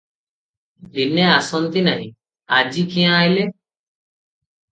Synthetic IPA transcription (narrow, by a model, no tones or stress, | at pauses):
bɪneːaːsont̪inaɦḭ̃ | aːd͡ʒiːkijãːaːɪleː